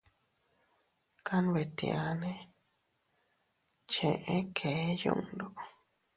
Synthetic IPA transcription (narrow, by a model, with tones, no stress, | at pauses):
kʰa˦n˧we˨t̪ḭ˨a˧nẽ˦ | t͡ʃẽ˨ʔẽ˦kʰe˨˦jṵ̃˦˧˨ŋdo˨